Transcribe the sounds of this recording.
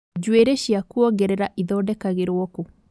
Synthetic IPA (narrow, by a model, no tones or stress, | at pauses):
d͡ʑweɾeɕiakuɔɡɛɾɛɾaʔiðɔːdɛkaɣeɾwɔko